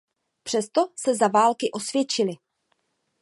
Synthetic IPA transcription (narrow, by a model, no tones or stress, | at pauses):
pr̥ɛst̪o̞sɛzavaːlkɪʔo̞svjɛt͡ʃɪlɪ